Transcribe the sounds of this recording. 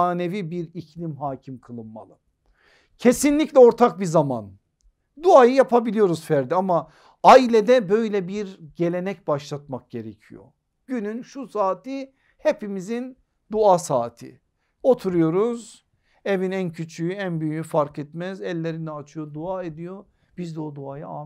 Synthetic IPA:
aːne̞vibiɾicʰlʲimɦaːcʰimkʰɯlˠɯnma̰lˠɯ | cʰe̞sinlʲicʲlʲɛo̞ɾt̪ʰak̚bizama̰n | d̪uajɯjapʰabilʲijo̞ɾuz̥fæɾd̪iama | ailʲed̪ɛbø̞jlʲɛbiɾɟe̞lʲe̞nɛcbaʃlˠat̪̚mak̚ɟ̥e̞ɾecʰḭjo̞̰ | ɟ̥ynynʃusaːt̪ʰi | he̞pimizin | d̪uasaːt̪ʰḭ | o̞t̪ʰuɾujo̞ɾuz | e̞vinæncʰyt͡ʃʰyjyænbyjyjyfaɾkʰɛt̪mɛzɛlʲːeɾinɛat͡ʃʰɯjo̞d̪uaːe̞d̪ijo̞ | b̥izd̪ɛod̪uajaa

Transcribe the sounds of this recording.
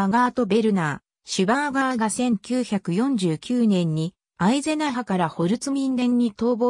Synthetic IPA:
ɡaːt̪o̞be̞ɾɯ̟naː | ɕɨbaɡaɡasẽ̞ŋkʲɨːçakɯ̟jõ̞ɲ̟d͡ʑɨːkʲɨːnẽ̞ɲ̟ːi | aize̞naɦakaɾaho̞ɾɯ̟t͡sɨmʲĩnd̪ẽ̞ɲ̟ːit̪o̞ːbo

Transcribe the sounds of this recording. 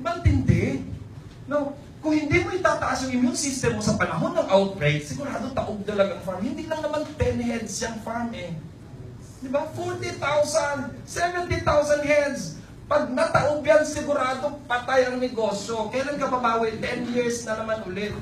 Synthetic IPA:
bant̪ɪnd̪ɛ | no | kʊŋhɪnd̪imoɪt̪aːt̪ɐʔasjʊŋʔɪnjʊŋsist̪ɛmːosɐpɐnɐɦo̞nːɐŋʔawt̪̚ɡɹejt̪̚sɪɡʊɾaːd̪ot̪ɐʔoɡ̚t̪ɐlɐaɡaɐŋfaɹmhɪnd̪ɪlɐŋnɐmant̪ɛnɦɛd̪sjɐŋfaɹmʔɛ | d̪ɪbafɔɹt̪ɪt̪awsansɛvɛnt̪ɪt̪awsɐnd̪hɛd̪s | pɐɡ̚nɐt̪ɐʔʊbjansɪɡʊɾaːd̪opɐt̪ajʔɐŋnɪɡo̞ːsjokɐjlankɐbabaːwɪt̪ɛnjɪɹsnɐnɐmanʔʊlɛt̪̚

